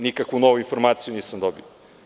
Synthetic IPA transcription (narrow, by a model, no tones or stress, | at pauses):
nikɐkunɔwĩfuɾmad̪sunisɐ̃nd̪ɔbju